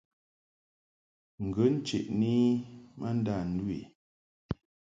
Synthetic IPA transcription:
ŋ̩˨ɡə˨˦n̩˦t͡ʃḛ˨ʔni˦mə˦n̩˦da˦˨n̩˦dwḭ˨

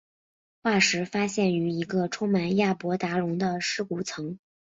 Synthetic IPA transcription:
xwa˥˩ʂɻ̩˧˥fa˥ɕjɛ˥˩ny˧˥i˧˥ɡə˧ʈ͡ʂʰʊ˥ŋma˧˥nja˥˩pwɔ˧˥t̪a˧˥ɻʊ˧˥ŋd̪ə˧ʂɻ̩˥ku˧˥˩t͡sʰɤ˧˥ŋ

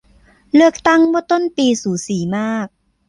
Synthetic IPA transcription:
lɯ˥˩ək̚t̪a˥˩ŋmɔ˥˩t̪o˥˩npiː˧suː˩˦siː˩˦maː˥˩k̚

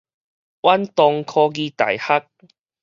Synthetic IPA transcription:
ʔwa˦˥nt̪ɔ˧ŋkʰɔː˧ɡiː˧t̪a̰˨˩jha˦˥k̚

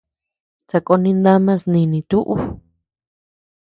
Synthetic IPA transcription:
t͡sa˧ko˧nĩ˧nd̪a˦mã˦˧snĩ˧nĩ˧t̪u˦ʔu˦

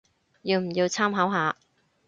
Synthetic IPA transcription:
jiː˧wm̩˨˩jiː˧wt͡sʰaː˥mɦɐ˨˥wɦaː˨˧

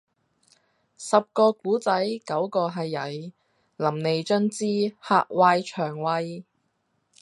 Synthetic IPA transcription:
sɐ˨p̚kɔː˧kuː˨˥t͡sɐ˨˥jkɐ˨˥wkɔː˧ɦɐ˨jːɐ˨˥j | lɐ˨˩mne˨jt͡ʃœ˥nt͡siː˥ha̰ː˧k̚waː˧jt͡ʃʰœː˨˩ŋwɐ˧j

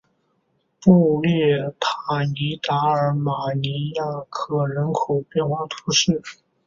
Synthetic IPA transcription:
pu˥˧ljɛ˥˩t̪ʰa˨˩ni˧˥t̪a˧˥ə˞˧˥ma˨˩ni˧˥ja˥˩kʰɤ˨˩ɻə˧˥nkʰo˨˩ʊpjɛ˥˧nxwɑ˥˩ŋt̪ʰu˧˥ʂɻ̩˥˩

